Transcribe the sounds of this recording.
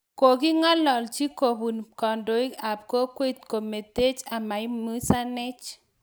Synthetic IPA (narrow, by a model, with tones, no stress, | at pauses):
ko˨ki˦ŋa˦lɔ˨lt͡ʃi˦ko˨bu˨nkɔ˨ndo˨˦i˦ka˨p̚ko˦kwe˦t̪̚ko˨me˨te˦t͡ʃa˨ma˨i˦mu˦sa˦nɛ˦t͡ʃ